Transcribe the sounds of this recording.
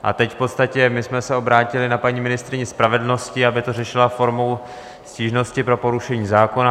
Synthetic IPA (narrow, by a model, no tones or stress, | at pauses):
ʔa̰t̪ɛcfpo̞t̪st̪acɛmɪsmɛsɛo̞bɾaːcɪlɪnapaɲiːmɪnɪst̪ɾɪɲɛspɾavɛdl̩no̞scɪabɪt̪o̞rɛʃɪlafo̞ɾmo̞w | sciːʒno̞scɪpɾo̞po̞ɾuʃɛɲiːzaːko̞na